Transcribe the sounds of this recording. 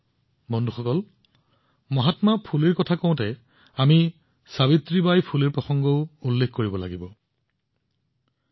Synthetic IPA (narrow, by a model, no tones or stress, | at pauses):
bɔnduxɔkɔl | mɔɦatmapʰuliɹkɔtʰakɔ̃ʊ̃tɛ | ami | saβitɹibajpʰuliɹpɔxɔŋɡɔʊulːekkoɹibɔla̰ɡibɔ